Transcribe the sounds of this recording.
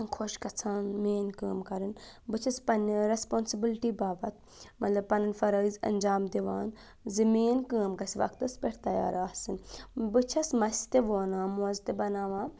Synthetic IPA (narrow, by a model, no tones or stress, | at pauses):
kʰoʃkɐt͡sʰaːnmeːnkəːmkɐɾɨnbɨt͡ʃʰɐspɐnɾespoːnsibilʈiːbaːbɐt̪̚ | mɐt̪lɐb̚pɐnɐnfɐɾɐːizɐ̰nd͡ʒaːmd̪iʋaːn | zɐmiːnkəːmkɐsiʋɐ̰kt̪ɐspeɾʰt̪ɐja̰ːɾaːhsɨnbɨt͡ʃʰɐsmɐsʲt̪eʋoːnãːmuɐzt̪ebɐnaːʋãː